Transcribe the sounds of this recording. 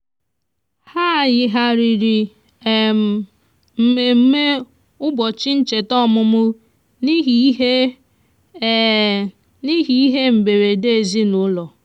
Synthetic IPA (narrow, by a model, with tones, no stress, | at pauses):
ha˦˨jɪ˦ɦa˦ɾi˨ɾi˨ | m̩˨me˨m̩˦me˦ | ʊ˦bɔ˨t͡ʃɪ˦n̩˦t͡ʃe˨tɔ˦˨mʊ˦mʊ˦ | ni˦˨˦e˦ | ni˦ɦi˨i˦ɦe˦m̩˨be˨ɾe˨de˦e˨zi˦nʊ˦lɔ˨